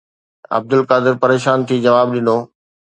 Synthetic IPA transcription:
ɐ̰b̚d̪ʊlkaːd̪ɪɾpɐɾeːʃaːnt̪ʰiːd͡ʑɐʋaːbɗɪnoː

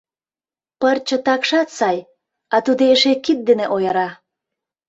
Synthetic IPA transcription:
pərt͡ɕə̆t̪ɑkʃɑt̪sɑj | ɑt̪ud̪eeʃekit̪̚d̪eneʔojəɾɑ

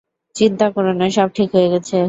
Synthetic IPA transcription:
t͡ɕint̪akɔɾeneʃɔb̚ʈʰikɦojeɡɛt͡ɕʰe

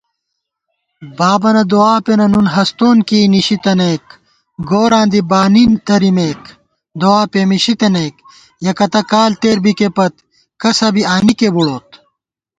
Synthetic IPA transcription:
baːbɐnɐd̪oaːpenɐnunɦɐst̪oːnkiːniɕit̪ɐneːk | ɡoːɾãːnd̪ibaːnint̪ɐɾimeːk | d̪oaːpemiɕit̪ɐnejk | jɐkɐt̪ɐkaːlt̪eːɾbikepɐt̪ | kɐsɐbiaːnikebuɽoːt̪̚

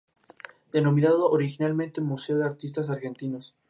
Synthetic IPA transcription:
d̪̥e̞no̞mĩnaðoʔoɾixinalmẽnt̪emuseoðeaɾt̪is̬t̪as̬aɾxe̞nt̪inos

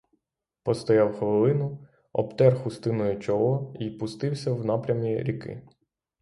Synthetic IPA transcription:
pɔst̪ɔjɑwxʋelˠɪnʊ | ɔ̰pt̪ɛrxʊst̪ɪnɔjʊt͡ʃɔlˠɔipʊst̪ɪwsʲɐwnɑpɾʲɐmʲiɾʲikɪ̰

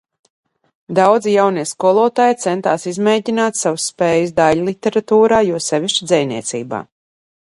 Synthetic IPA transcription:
d̪awd̪zijawniɛskuɔlˠɔːt̪aːjt̪sɛnt̪aːsizmeːɟʲinaːt̪sawusːpɛːjɨsd̪aʎlˠit̪ːeɾat̪uːɾaːjuɔsɛviʃt͡ʃid̪zɛjniɛt̪sḭːba̰ː

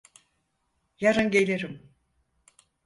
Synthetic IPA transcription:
jaɾɯnɟelʲeɾim

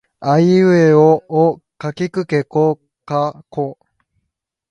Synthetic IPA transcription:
aiɯeoo | kakʲikɯ̟keko | kako

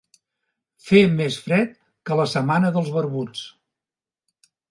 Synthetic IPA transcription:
femesfɾɛt̪̚ | kələsəmanəðəlˠzβəɾβut͡s

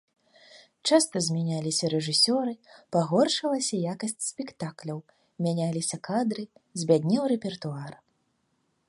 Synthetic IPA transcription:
t͡ʂast̪ɐzʲmʲanʲalʲisʲɐɾɛʐɨsʲɔɾɨpaɣɔrʂɐlˠɐsʲɐjakɐsʲt͡sʲsʲpʲɛkt̪aklʲɐw | mʲanʲalʲisʲɐkad̪ɾɨzʲbʲad̪ʲnʲɛwɾɛpʲɛrt̪uar

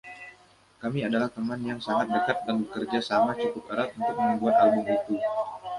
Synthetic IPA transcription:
kamiadalaht̪əmanjaŋsaŋat̪̚dəkat̪̚danbəkərd͡ʒasamat͡ʃukʊpəɾat̪̚unt̪ʊk̚mənəbuat̪albʊmit̪u

